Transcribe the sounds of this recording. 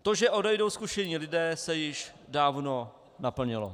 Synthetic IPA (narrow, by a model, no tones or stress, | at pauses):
t̪o̞ʒɛʔo̞dɛjdo̞wskuʃɛɲiːlɪdɛːsɛjɪʃdaːvno | napl̩ɲɪlo̰